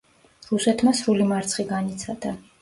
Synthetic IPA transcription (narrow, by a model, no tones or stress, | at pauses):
ɾusɛt̪ʰmasɾulimaɾt̪sʰχiɡanit̪sʰad̪̥a